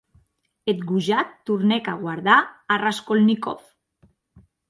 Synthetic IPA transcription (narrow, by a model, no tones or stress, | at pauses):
et̪ɡuʒat̪ːuɾnekaɣwaɾðaːraskolnikof